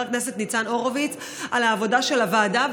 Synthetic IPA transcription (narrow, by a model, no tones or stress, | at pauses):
knese̞t̪nit͡sano̞ʁovit͡s | ʔalaːvo̞daʃelavaːdav